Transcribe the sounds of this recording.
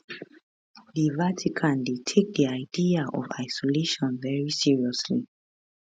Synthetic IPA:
divatʰikʰãndetʰek̚diaɪdiaʔɔ̰va̰ɪsɔleʃɔ̃nvɛɹisiɹiɔsli

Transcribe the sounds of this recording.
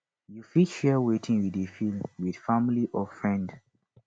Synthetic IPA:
jufiʃalwetʰĩŋwidefilmwið̥familiʔɔfɹɛ̃nd

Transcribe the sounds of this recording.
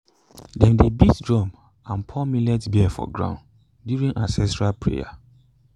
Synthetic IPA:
dɛ̃mdebitdɹɔ̃m | ãnpʰɔmilɛtbiɛfɔ̰ɡɹã̰ʊ̃nd | djuɹĩŋʔãnsɛstɹalpʰɹḛja̰

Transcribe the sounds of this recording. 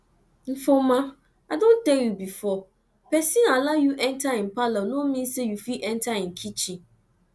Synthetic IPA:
m̩fɔ̃mã | adõntɛjubifɔ | pʰɛsĩnalajuʔɛ̃ntʰaɪ̃m̩palanʊ̃mĩnsɛjufiʔɛ̃ntʰaɪ̃ŋ̩kʰit͡ɕʰĩ

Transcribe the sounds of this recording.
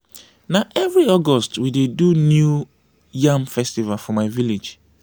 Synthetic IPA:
naʔɛvɹiɔɡɔstwidedunju | jãmfɛstivalfɔmaɪviled͡ʒ

